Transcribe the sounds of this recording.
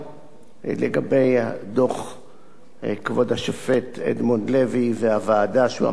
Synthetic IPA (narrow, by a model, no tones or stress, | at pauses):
lḛɡabe̞jadoχ | kvo̞dhaʃofe̞tʰḛdmo̞nleviveavaːdaʃṵa̰